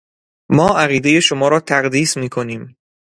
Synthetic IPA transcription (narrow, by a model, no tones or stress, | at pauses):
mɒːʔæɣiːd̪e̞je̞ʃomɒːɾɒːt̪ʰæɢd̪iːsmiːkʰo̞niːm